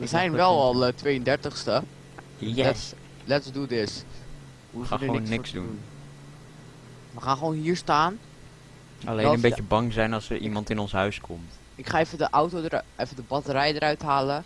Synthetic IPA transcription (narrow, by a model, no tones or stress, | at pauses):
əzɛjnʋɛlˠɑlˠətʋejəndɛɹtəχstə | ɛs | lɛtsdudɪs | uχaːχonːnːɪksdṵn | ʋəχaːnχəʋownɦiːɹstaːn | ɑ̰lenəmbejəbɑŋzɛjnɑlˠsəɹʔḭmɑntɪnɔnsɦœɥskʰɔmt | ɪkχaːejfədəʔawtodəɾejfədəbɑtəɾɛjdəɾœɥtɦaːlə